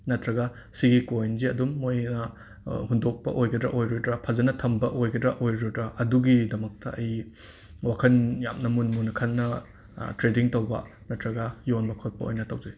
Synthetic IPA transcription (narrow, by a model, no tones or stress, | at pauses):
nɐtɾɐɡɐ | siɡikojnziɐdumːojnɐ | hundok̚pɐ̰ʔojɡɐdɾɐ̰ʔojɾodɾɐpʰɐzɐnɐtʰɐmbɐʔojɡɐdɾɐʔojɾodɾɐʔɐduɡidɐmɐk̚tɐɐj | wakʰɐnjamnɐmunmunkʰɐnːɐ | tɾediŋtɐwbɐ̰nɐtɾɐɡɐjonmɐkʰot̚pɐo̰jnɐtɐwzɐj